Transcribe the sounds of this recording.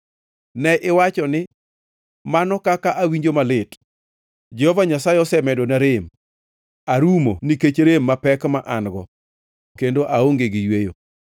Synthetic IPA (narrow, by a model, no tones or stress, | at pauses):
nɛʔɪwat͡ʃɔnɪ | manɔkakaʔawiɲd͡ʒomalɪt | d͡ʒɛhɔvaɲasaɪɔsɛmɛdonaɾɪm | aɾumo̰niket͡ʃɾemːapɛkmaʔanɡɔ̰ | kendoʔaoŋɡeɡijwejo̰